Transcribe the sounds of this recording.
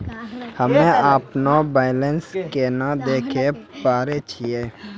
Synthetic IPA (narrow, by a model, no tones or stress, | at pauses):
həmẽaːpnabaːɪlənskenad̪eːkʰepaːɾet͡ʃʰijeː